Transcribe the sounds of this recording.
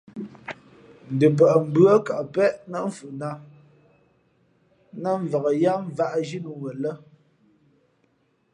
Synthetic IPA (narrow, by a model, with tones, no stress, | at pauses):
n̩˨də˨p̬ə˨ʔm̩˦bɰə˦ka˨ʔpɛ˦ʔna˦ɱ̩˨fu˨na˦ | na˦ɱ˨və˨ɣə˨ja˦m˦˨va˦˨ʔʒi˦nu˨wə˨lə˦